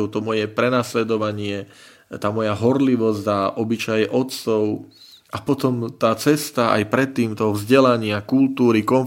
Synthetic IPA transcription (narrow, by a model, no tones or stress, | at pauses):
ʊt̪ɔmɔjɛpɾɛnaslɛd̪ɔʋaɲɪɛ | t̪aːmɔjaɦɔɾliʋɔzzaʔɔbit͡ʃajɛʔɔt̪sɔʊ | ʔapɔt̪ɔmt̪aːt͡sɛst̪aa̰jpɾɛt̪ːiːmt̪ɔɦɔvzɟɛlaɲɪakult̪uːɾikɔn